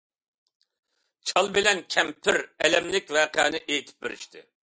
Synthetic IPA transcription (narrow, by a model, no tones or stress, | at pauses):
t͡ʃʰɑlˠbɪlɛnkʲʰɛmpʰɪɾɛlɛmlɪk̚ʲvɛːqɛ̰ːnɪʔejt̪ʰɪ̥p̚beɾɪʃt̪ʰɪ̰